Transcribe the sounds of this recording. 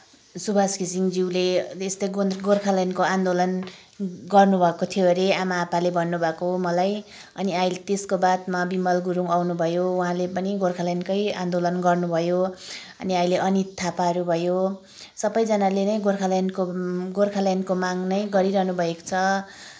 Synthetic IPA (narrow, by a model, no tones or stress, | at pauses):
subʱaskisiŋd͡ziwleest̪ʌɡoɡorkʰalajnkoand̪olʌn | ɡʌrnubʱʌekot̪ʰijoeɾeamaːpalebʱʌnːubʱʌkoɦomʌlaj | ʌniajlt̪eskobat̪mabimʌlɡuɾuŋawnubʱʌjouɦãlepʌniɡorkʰalajnkʌjand̪olʌnɡʌrnubʱʌjo | ʌ̰niajleʔʌnit̪ʰːapaɾubʱʌjo | sʌbʌjd͡zʌnalenʌjɡorkʰalajnkoɡorkʰalajnkomaŋnʌjɡʌɾiɾʌɦnubʱʌeko̥t͡sʰʌ